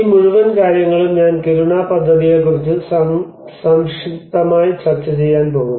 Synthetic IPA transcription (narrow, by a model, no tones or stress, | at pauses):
iːmuɻuʋɐnkaːɾjɐŋːɐɭumɲaːnkeɾuɳaːpɐd̪ʱːɐðijekːurit͡ɕːɨs | sɐmʂikt̪ːɐmaːjit͡ɕɐrt͡ɕːɐt͡ɕe̞jːaːnpo̞ːɣum